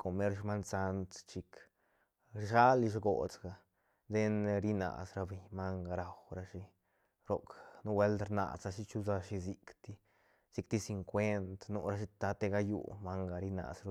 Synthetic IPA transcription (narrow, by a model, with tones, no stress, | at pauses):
ko˨me˦ɾʃma˦nsa˧nt̪t͡ʃi˧k | ɾʃa˦li˧ʃ̬ɡo̰˨t͡sɡa˨ | d̪e˦nɾi˦na̰˨sɾa˧be˨ɲma˦ŋɡa˧ɾa˨wɾa˧ʃi˧ | ɾo˨knu˦we˦ld̪ɾna̰˨sa˧ʃi˦t͡ʃu˦za˧ʃi˧zi˧kt̪i˦ | z̥i˧k̚t̪i˦si˧ŋkʷe˦nt̪nṵ˧ɾa˧ʃi˧t̪a˧t̪e˧ɡa˧jṵ˧˨ma˦ŋɡa˨ɾi˧na̰˨sɾo˧